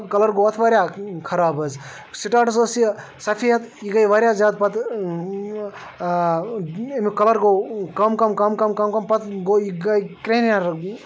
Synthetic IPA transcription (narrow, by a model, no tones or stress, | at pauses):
kɐlɐɾɡoɐt̪ʰʋaːɾʲjakʰɐɾaːbɐz | siʈaːʈɐsosi | sɐpʰijɐt̪iɡɐjʋaɾʲjaːzjaːd̪̚pɐt̪ | emikɐlɐɾɡokɐmkɐmkɐmkɐmkɐmkɐmpɐt̪ʰɡoiɡajkɾenjaɾ